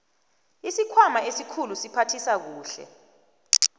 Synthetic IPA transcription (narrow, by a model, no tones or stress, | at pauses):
isikʰwamaesikʰulusipʰatʰisak̬uːɬɛ̰